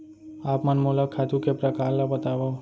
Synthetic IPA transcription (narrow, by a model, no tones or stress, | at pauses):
apmanmolakʰːat̪ukepɾakalːabət̪aʋo